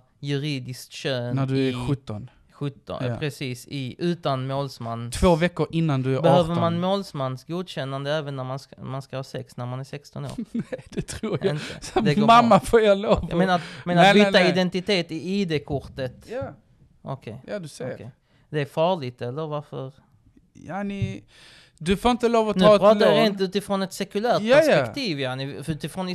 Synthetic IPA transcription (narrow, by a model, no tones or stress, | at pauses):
jɵɾiːd̪ɪskt̪ɕøːnædɵæɧɵt̪ːɔn | ɧɵt̪ːɔ̰pʰɾɛsiːsɪʔʉ̟ːt̪anmoːlsmanːt̪ʰvoːvɛkːʊɾʔɪnːand̪ɵæɾbɛhøːvəɾmanmoːlsmanːsɡuːd̪ɕɛnːand̪əɛːvənːæɾmansmanskahɑːsɛksnæɾmanæɾsɛkst̪ɔno̰ːɾd̪̥ɛt̪ʰɾuːɾɪntəɔmd̪ɛɡmamːafoːjɑloːvmenaɾat̪mɛːnaviːt̪aɪd̪ɛnt̪ɪt̪ʰeːt̪ɪiːd̪ekʰʊɾʈ̪ət̪j | ʔɔ̰kʰɛ̰jjd̪skʰɛ̰ | d̪ɛæɾfɑːɭɪɡt̪ɛlːəɾvaɾfə̰ɾ | janɪ | d̪ɵfoːɾɪnt̪əloːvɔtnʉɾɑːaɾent̪ʉ̟ːt̪ɪfɾɔnɛt̪sɛkɵlæːɾt̪̚jæʂpɛiːvjaːnɪʉ̟ːt̪ɪfɾɔn